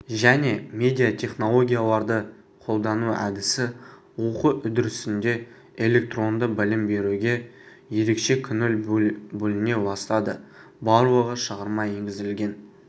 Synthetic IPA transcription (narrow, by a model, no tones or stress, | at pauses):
ʒæne̞mʲe̞d̪ʲijat̪ʲʰe̞χno̞lˠo̞ɡʲijalˠɑɾd̪ə | qʰo̞lˠd̪ɑnuæ̰d̪ɪsɪ | wuqəʔʏd̪ɪɾɪsɪnd̪e̞ | e̞lʲe̞k̚t̪ro̞nd̪əbɪlɪmbe̞ɾuɡʲe̞ | je̞ɾe̞kʃe̞kʲʰʏnʏlbɵlɪne̞bɑst̪ɑd̪ə | bɑɾwəʁəʃəʁəɾmɑje̞ŋɡʲɪzɪlɡʲe̞n